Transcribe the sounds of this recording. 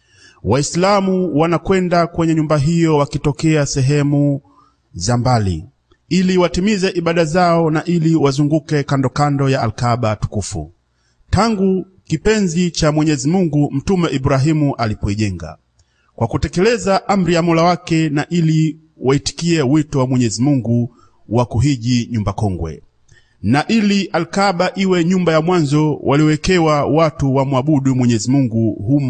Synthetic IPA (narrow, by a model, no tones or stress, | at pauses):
waislamuwanakwɛndakwɛɲɛɲumbaɦijɔwakitɔkɛasɛɦɛmu | zambalḭ | iliwatimizɛʔiɓaɗazaɔnaʔiliwazuŋɡukɛkandɔkandɔjaːlkaɓatu̥kufṵ | taŋɡu | kipɛnzit͡ʃamwɛɲɛzimuŋɡum̩tumɛʔibuɾaɦimuʔalipɔiʄɛŋɡa̰ | kwakutɛkɛlɛzaʔam̩ɾijamɔlawakɛnaʔili | waiti̥kiɛwitɔwamwɛɲɛzimuŋɡu | wakuɦiʄiɲumbakɔŋɡwɛ̰ | naʔiliʔalkaɓaʔiwɛɲumbajamwanzɔwʔaliɔwɛkɛwawatuwamuaɓuɗumwɛɲɛzimuŋɡuɦum